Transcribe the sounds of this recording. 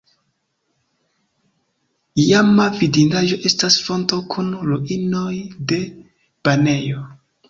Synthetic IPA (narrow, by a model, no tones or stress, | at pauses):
jamavidinaʒo̞ʔe̞stasfo̞nto̞kʰunloʔino̞jde̞ | b̥ane̞jo̞